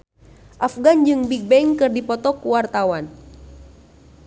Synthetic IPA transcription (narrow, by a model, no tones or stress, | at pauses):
ʔafɡand͡ʒɨŋbik̚bɛŋkɨrdipɔt̪ɔkuwart̪awan